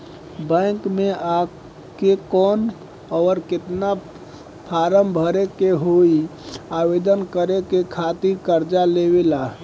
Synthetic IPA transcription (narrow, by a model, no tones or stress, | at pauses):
bə̃ɪŋkmea | kekɔn | ɔɾket̪na | pʰaɾəmbʱəɾekeɦoiabed̪ənkəɾekekʰat̪iɾkəɾd͡ʒaleβela